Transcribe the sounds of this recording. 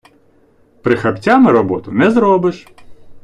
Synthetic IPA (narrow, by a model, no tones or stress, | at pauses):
pɾɪxɐpʲtʲamɪɾɔbɔt̪ʊnɛzɾɔbɪʃ